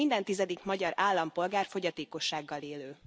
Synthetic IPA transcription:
ind̪ɛnt̪izɛd̪ikmɒɟɒɾaːlːɒmpo̞lɡaːrfo̞ɟɒt̪eːko̞ʃːaːɡːɒleːløː

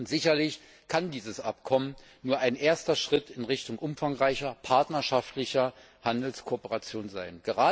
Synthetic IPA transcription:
ʊntz̥ɪçɐlɪç | kʰandiːzəsʔap̚kʰɔmən | nuːɐʔaɪnʔeːɐstɐʃʁ̥ɪtɪnʁɪçtʊŋʔʊmfaŋʁaɪçɐpʰaɐtnɐʃaftlɪçɐ | handl̩skʰoːpəʁat͡sjoːnzaɪnɡ̥əʁaː

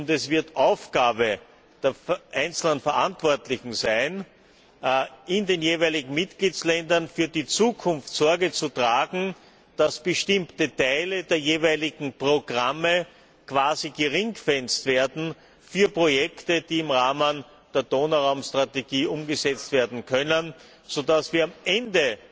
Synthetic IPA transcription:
ʊntɛsv̥ɪɐtʔaʊfɡ̥aːbə | d̥eːɐfʔæɪnt͡sl̩nənfɛɐʔantv̥ɔɐtlɪçŋ̩zæɪn | ʔɪndeːnjeːvæɪlɪɡŋ̩mɪtɡ̥liːt͡slɛndɐnfyːɐdit͡suːkʰʊnftsɔɐɡət͡sutʁ̥aːɡŋ̩ | d̥asb̥əʃtɪmtətʰaɪlədeːɐjeːvæɪlɪɡŋ̩pʁoɡ̥ʁamə | kv̥aːziɡəʁɪŋɡfɛnstv̥eːɐdn̩ | fyːɐpʁojɛktəd̥iːɪmʁaːmən | d̥eːɐd̥oːnaʁɑʊmstʁ̥ateɡ̥iːʔʊmɡəzɛt͡stv̥eːɐdn̩kʰœnən | z̥odasv̥iːɐamʔɛndə

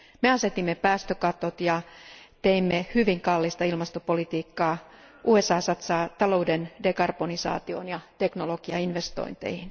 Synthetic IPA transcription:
meɑset̪imːepæːst̪økɑt̪ot̪jɑt̪eimːehyʋiŋkɑlːist̪ɑilmɑst̪opolit̪iːkːɑː | ʔuːesɑːsɑt̪sɑːt̪ɑlo̞udendekɑrb̥onisɑ̰ːt̪ionjɑt̪eknoloɡ̥iɑinʋest̪o̰int̪ḛihin

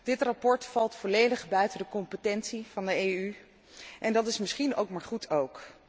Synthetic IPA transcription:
d̥ɪtrapɔɹtfɑlˠtfɔlejdəχbœɥtəndəkɔmpətɛntsivɑndəejy | ʔɛndɑtɪsmɪsχino̰wkmaːɹχutʰowk

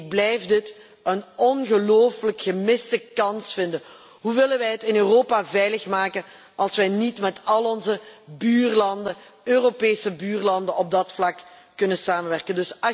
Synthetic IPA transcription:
ɡ̚blɛjfdɪt | ənɔnɣəloːfələkxəmɪstəkɑnsfɪndən | ɦuʋɪlənʋɛjɦətɪnøːroːpavɛjləxmaːkən | ɑlˠsʋɛjnitmɛtɑlˠɔnzəbyːrlɑndəøːropeːsəbyːrlɑndənɔb̚dɑtflɑkː | ɵnənsaːmənʋɛrkəndɵs

